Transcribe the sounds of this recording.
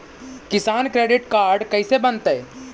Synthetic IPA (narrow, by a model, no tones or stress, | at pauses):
kɪsaːnkɾeːɖɪʈkaːɾɖkɐisebɐ̃nt̪ɦɛː